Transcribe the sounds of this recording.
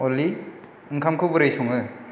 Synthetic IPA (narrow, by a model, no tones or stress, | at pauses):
ɔli | ɯŋkʰamkʰɯbuɾajsɔŋɯ